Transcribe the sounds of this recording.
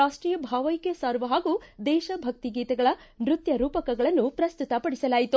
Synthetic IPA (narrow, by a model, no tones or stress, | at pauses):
aːʂʈɾiːjɐbʱaːʋɐjkesaːɾuʋɐɦaːɡud̪ɛːʃɐbʱɐk̚t̪iɡiːt̪ɐɡɐɭɐ | nɾut̪jɐɾuːpɐkɐɡɐɭɐnːupɾɐst̪ut̪ɐpɐɽisɐlaːjit̪u